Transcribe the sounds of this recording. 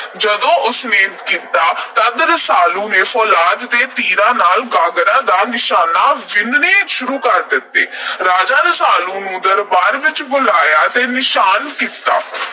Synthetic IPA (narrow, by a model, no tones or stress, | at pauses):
d͡ʒəd̪õːʔʊsneːkiːt̪aːt̪əd̪ɾəsaːlũːneːfʰɔːlaːd̪ːeːt̪iːɾãːnaːlɡaːɡɾãːd̪aːnɪʃaːnaːʋɪnneːʃʊɾuːkəɾd̪ɪt̪ːḛːɾaːd͡ʒaːɾəsaːlũːnũːd̪əɾbaːɾʋɪt͡ʃbʊlaːjaːt̪eːnɪʃaːnkiːt̪a̰ː